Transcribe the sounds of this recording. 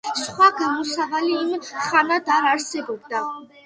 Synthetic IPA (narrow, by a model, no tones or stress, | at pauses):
sχwaɡamɔsavaliːmχanad̪aɾaɾsɛbɔbd̪a